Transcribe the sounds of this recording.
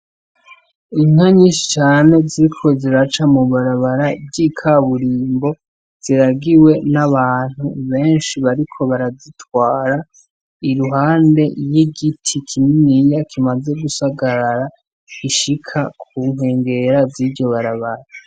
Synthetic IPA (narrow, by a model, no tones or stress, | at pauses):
iŋ̥aɲiʃi̥t͡ʃaːne̞ziɾikʰo̞ziɾat͡ʃamuβaɾaβaɾabɟikʰaβuɾiːmbo̞ | z̥iɾaɡiwe̞naβaːn̥huβe̞ːnʃiβaɾikʰo̞βaɾazitwaːɾa | iɾuɦaːnde̞jiɡitʰikʰiminijakʰimaze̞ɡusaɡaɾaɾa | iʃikʰakʰuːŋe̞ːŋɡe̞ɾaziɟoβaɾaβaɾa